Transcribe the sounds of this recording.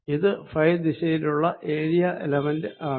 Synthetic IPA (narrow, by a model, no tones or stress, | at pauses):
iðɨfɐjdiɕejiluɭːɐʔe̞ːɻijɐʔḛlɐmɐndɨʔaː